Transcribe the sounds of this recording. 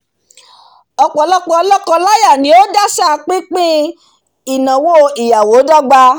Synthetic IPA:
ɔ˧k͡pɔ˨lɔ˦k͡pɔ˧˦lɔ˦kɔ˧la˦ja˦˨nĩ˨˦o˦da˦sa˦k͡pi˦k͡pĩ˦ | i˨nã˨wo˦i˨ja˨wo˨˦dɔ˦ɡ͡ba˧

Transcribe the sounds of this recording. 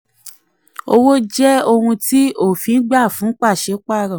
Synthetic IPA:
o̰˧wo˦d͡ʒɛ˦o˧hũ˧ti˦o˦˨fi˨˧n̩˦ɡ͡ba˦˨fũ˨˦k͡pa˦˨ʃe˨˦k͡pa˦˨ɾã˨

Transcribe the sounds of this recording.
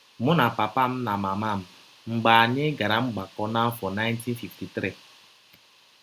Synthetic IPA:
mʊ˦na˨pa˨pa˦m̩˦na˨ma˨ma˦˨m̩˨ | ŋ͡m̩˨ɡ͡ba˨ɲe˦ɡa˨ɾa˨ŋ͡m̩˦ɡ͡ba˨kɔ˦na˦m̩˦fɔ˨na˦jnti˦n̩˦fi˨fti˨tɾi˦˨

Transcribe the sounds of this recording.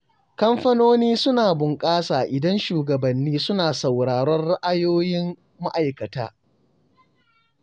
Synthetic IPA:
kɐ˦mɸɐ˦noː˦niː˦sʊ˦naː˨bʊ˨ŋkʼaː˦saː˨ʔɪ˨dɐ˦nʃuː˨ɡɐ˨bɐ˨nːiː˦sʊ˦naː˨sɐ˨wɽaː˨ɾɔ˦nɽa˦ʔa˦joː˦jɪ˦mː | a̰˦ʔa˨jkɐ˨ta̰ː˦

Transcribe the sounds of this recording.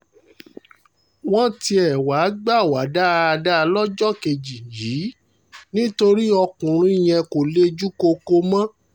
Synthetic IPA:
w̃ɔ̃˦ti˧ɛ˨wa˨˦ɡ͡ba˦˨wa˨˦da˦˧da˦˧lɔ˦d͡ʒɔ˦˨ke˧d͡ʒi˨ji˨˦ | nĩ˦to˧ɾi˦ɔ˧kũ˨ɾ̃ũ˨˦i˦˨j̃ɛ̃˧ko˨le˦d͡ʒu˦ko˧ko˧mã˦

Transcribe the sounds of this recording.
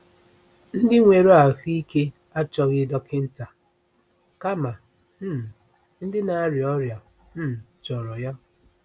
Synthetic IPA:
n̩˦dɪ˦ŋʷe˨ɾo˦a˨fi˦ke˦ | a˦t͡ʃɔ˦ɣɪ˦dɔ˦kɪ˦n̩˦ta˨ | ka˦ma˨ | m̩˦˨ | n̩˦dɪ˦na˨˦ɾjɔ˦ɾja˨ | m̩˦˨t͡ʃɔ˨ɾɔ˨ja˦

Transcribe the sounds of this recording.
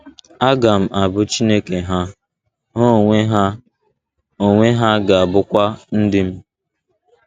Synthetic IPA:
a˦ɡa˨m̩˦˨ʔa˨bʊ˦t͡ʃi˦ne˦ke˨ɦa˦ | ɦo˦e˦ɦ | o˨ŋʷe˦ɦa˦ɡa˨a˨bʊ˦kʷa˦n̩˦dɪ˦m̩˦

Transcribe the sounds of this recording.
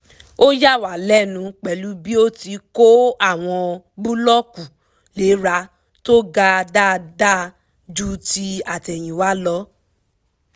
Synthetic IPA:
o˦ja˦˨wa˨lɛ˦˨nũ˨˧k͡pɛ˨lu˨˦bi˦o˦ti˧˦ko˦a˦˨w̃ɔ̃˧ | bũ˦lɔ˦ku˨ | le˨˦ɾa˧˦ | to˦ɡa˧da˦da˦˨ | d͡ʒu˦ti˧a˨tɛ˨j̃ĩ˨wa˨˦lɔ˧˦

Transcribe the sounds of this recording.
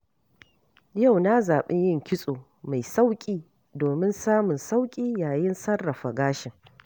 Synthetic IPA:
ja˦˨wna˦zaː˨ɓɪ˦ɲjɪ˦˨ŋkʲɪ˦sʼoː˨ | ma˨jsa˦wkʲʼiː˦ | doː˨mɪ˦nsaː˦mʊ˨nsa˦wkʲʼiː˦jaː˨jɪ˦nsɐ˦rːɐ˨ɸa˨ɡaː˦ʃɪ˨ŋ

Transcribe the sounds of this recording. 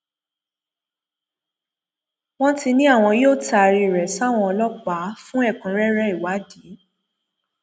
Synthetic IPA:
w̃ɔ̃˦ti˧nĩ˦a˦˨w̃ɔ̃˧joː˦˨ta˧˨˧ɾi˧˨ɾɛ˨sa˦˨w̃ɔ̃˧ɔ˧lɔ˦k͡pa˨˦fũ˦ɛ˦˨kũ˨˦ɾɛ˦ɾɛ˦i˨wa˨˦di˨˦

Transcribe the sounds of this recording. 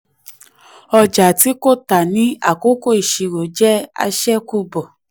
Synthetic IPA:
ɔ˧d͡ʒa˨ti˨˦ko˦˨ta˨nĩ˨˦a̰˦˨ko˦ko˦˨i˨ʃi˧ɾo˨d͡ʒɛ˦a̰˧ʃɛ˦ku˧˦bɔ˨

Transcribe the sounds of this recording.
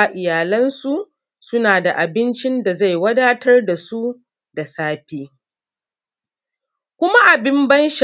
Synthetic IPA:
ʔɪ˨jaː˨lɐ˦nsu˨ʔ | sʊ˦naː˨da˨ʔa˨bɪ˦nt͡ʃɪ˦nda˨za˦˨jwɐ˦daː˦tɐ˦rda˨su˦ | da˨saː˦ɸiː˦ | kʷʊ˦ma˦ʔa˨bɪ˦mbɐ˦nʃ

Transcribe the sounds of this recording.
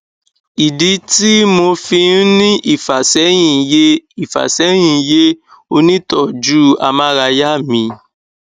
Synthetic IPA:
i˨di˨˦ti˦mo˧fĩ˧˦nĩ˦ʔi˦˨fa˨sɛ˨˦j̃ĩ˦˨je˦i˦˨fa̰˨sɛ˨˦j̃ĩ˦˧˦je˦ | o˧nĩ˦tɔ˦˨d͡ʒu˦a̰˧mã˦ɾa˧ja˦˨mĩ˧

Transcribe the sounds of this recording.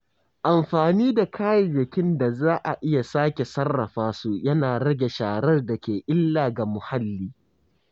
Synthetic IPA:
ʔa˨mɸaː˨niː˦da˨kʰaː˦jɐ˨jɪ˨kʲɪ˦nda˨zaː˦ʔa˨ʔɪ˦ja˨saː˦kʲe˨sɐ˦rːɐ˨ɸaː˦su˦jɐ˦naː˨ɽɐ˦ɡʲe˨ʃaː˨ɽɐ˦rdɐ˨kʲeː˨ʔɪ˦lːaː˨ɡa˨mʊ˨ha˦lːiː˦

